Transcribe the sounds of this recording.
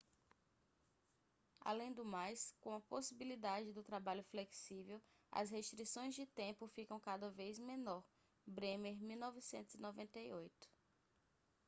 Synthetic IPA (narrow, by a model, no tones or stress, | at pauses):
a̰lẽj̃d̪ʊmajskõɐposibilid̪ad͡ʒɪd̪ʊt̪ɾabaʎʊfleksivew | ɐ̰shest̪ɾisõj̃zd͡ʒɪt̪ẽmpʊfikɐ̃w̃kad̪ɐvejzmẽnɔɾ | bɾẽmeɾmiwnɔvisẽnt̪ʊzinovẽnt̪eiojt̪ʊ̥